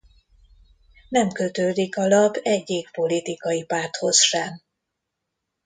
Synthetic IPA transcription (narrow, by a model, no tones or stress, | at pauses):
nɛmkøt̪øːd̪ikɒlɒbɛɟːeːkpo̞lit̪ikɒjipaːrt̪ho̞sʃɛm